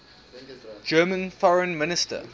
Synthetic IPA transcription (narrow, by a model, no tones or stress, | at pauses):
d͡ʒɜːmə̃nfɔɹə̃nmɪnɪstə̰